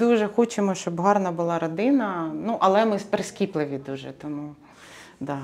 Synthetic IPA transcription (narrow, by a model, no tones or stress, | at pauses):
d̪uʒɛxɔt͡ʃemɔʃt͡ʃɔbɦɑrnɐbʊlˠɑɾɔd̪ɪnɐnuʔɐlˠɛmɪpeɾesʲkʲiplˠɪʋʲid̪uʒɛ̰t̪ɔmu | d̪ɑ